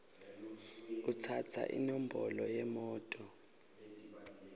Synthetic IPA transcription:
k̬ut͡sʰatʰa̰ʔḭnɔm̩bɔlɔjɛmɔːtʼɔ

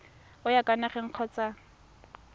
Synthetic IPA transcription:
ʊjakʼanaχɛŋ̩q͡χʰɔt͡sa

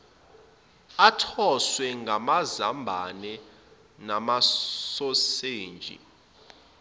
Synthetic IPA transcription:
atʰɔswɛŋɡʱamazambʱanɛ | namasɔseːnd͡ʒʱḭ

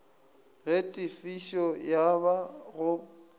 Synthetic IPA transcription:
ɣetʼɪfiʃɔjaβaɣʊ

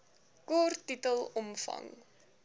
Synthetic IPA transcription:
kɔrtitəlˠɔmfɐ̰ŋ

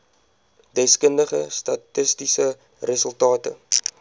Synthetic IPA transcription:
dɛskəndəχəstɐtəstisə | rəsəlˠtɑːtə̰

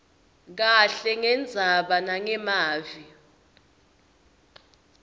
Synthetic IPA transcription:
k̬aɬɛŋɛnd͡zʱaɓanaŋɛmaːvi

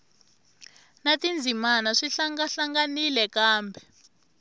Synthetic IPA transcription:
natind͡zʱimanaʂiɬaŋɡaɬaŋɡanilɛkaːmbʱɛ

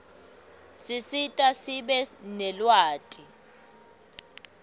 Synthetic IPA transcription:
sisitʼasiɓɛnɛlwaːtʼi

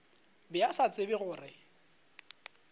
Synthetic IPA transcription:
bɪasat͡sʼɪbɪɣʊːrɪ

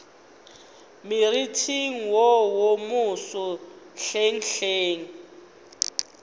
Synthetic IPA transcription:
miritʰiŋ̩wɔwomusɔɬeŋ̩ɬeːŋ̩

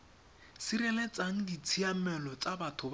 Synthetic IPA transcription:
siɾɛlet͡sʼaŋ̩dit͡sʰiamɛlɔt͡sabatʰʊb

